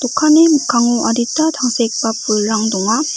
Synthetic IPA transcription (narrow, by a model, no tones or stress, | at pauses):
tukʰanemukʰaŋoʔaɾit͈ʰataŋsʰek̚p͈ap͈ːuɭːaŋdoŋa